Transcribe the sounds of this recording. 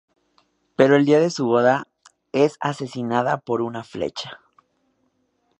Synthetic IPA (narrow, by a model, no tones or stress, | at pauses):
pe̞ɾo̞e̞ld̪iaðe̞suβo̞ða | e̞sase̞sinaðapo̞ɾunaflḛt͡ʃḁ